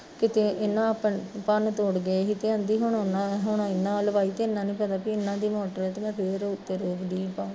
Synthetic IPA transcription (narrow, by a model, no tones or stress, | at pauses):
kɪt̪eːʔɪnːãːəpənpənt̪oːɽɡəekɪt̪eːãːnd̪iːɦʊɳonãɦʊɳãɪnːãːləbaːiːt̪eɪnːãːnĩːpət̪aːpiːɪnːãːd̪iːmɔːʈəɾɛːt̪ːmɛ̃ːpʰɪɾʊt̪ːeːɾoːbɖiːpaː